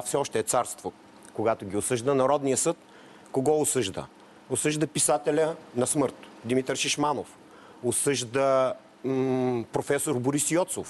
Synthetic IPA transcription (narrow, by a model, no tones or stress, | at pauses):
afsɛɔʃt̪ɛːt̪saɾst̪vo | koɡat̪oɡʲiʊsɤʒd̪ənɐɾɔd̪nijəsɤt̪ | koɡɔʊsɤʒd̪ə̰ | osɤʒd̪əpisat̪ɛlʲənɐsmɤɾt̪d̪imit̪əɾʃiʃmanof | osɤʒd̪ə | pɾofɛsoɾboɾisjɔt̪sof